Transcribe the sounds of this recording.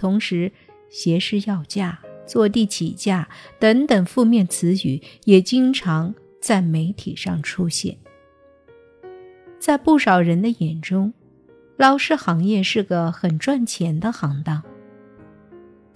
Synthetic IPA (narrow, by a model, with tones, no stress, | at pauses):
t̪ʰʊ˧˥ŋʂɻ̩˧˥ | ɕjɛ˧˥ʂɻ̩˥˧jɑ˥˧ʊt͡ɕja˥˩t͡swɔ˥˧t̪i˥˩t͡ɕʰi˨˩t͡ɕja˥˩t̪ə˧˥ŋt̪ə˨˩ŋfu˥˧mjɛ˥˩nt͡sʰɹ̩˧˥y˨˩˦jɛ˨˩t͡ɕi˥ŋʈ͡ʂʰɑ˧˥ŋ | t͡sa˥˩ɪme˧˥ɪt̪ʰḭ˨˩ʂɑ˥˩ŋʈ͡ʂʰu˥ɕjɛ̰˥˩n | t͡sa˥˧ɪpu˥˩ʂɑ˨˩ʊɻə˧˥nd̪ə˧jɛ˨˩nʈ͡ʂʊ˥ŋ | lɑ˥ʊʂɻ̩˥˩xɑ˧˥ŋjɛ˥˧ʂɻ̩˥˩ɡə˩xə˨˩nʈ͡ʂwa˥˩nt͡ɕʰjɛ˧˥nd̪ə˧xɑ˧˥ŋt̪ɑ˥˩ŋ